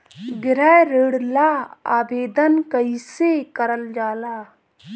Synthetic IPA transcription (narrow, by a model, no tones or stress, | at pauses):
ɡɾɛɾeːɽlaːaːbeːd̪ənkəisekəɾəld͡ʒaːlaː